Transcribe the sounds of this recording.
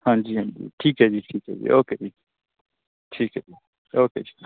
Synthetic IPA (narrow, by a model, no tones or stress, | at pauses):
hãnd͡ʒiãnd͡ʒḭtʰiked͡ʒitʰikḛd͡ʒḭʔoked͡ʒi | ʈʰiked͡ʒi | oked͡ʒi